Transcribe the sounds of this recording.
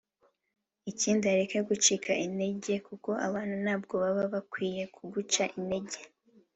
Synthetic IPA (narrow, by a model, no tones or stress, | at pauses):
iciːndiaɾekeɡut͡ʃikʰaʔine̞ɟe̞kuko̞ʔaβaːn̥unaːb̚ɡo̞βaβaβakwiːje̞kʰuɡut͡ʃaʔinde̞ɟe̞